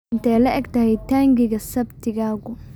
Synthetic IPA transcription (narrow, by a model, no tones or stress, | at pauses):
ɪnt̪ʰɛjlɐʔɛɡt̪ɐhɛjt̪ʰaːŋɡɪɣɐsɐbt̪ʰɪɣaːɣʊ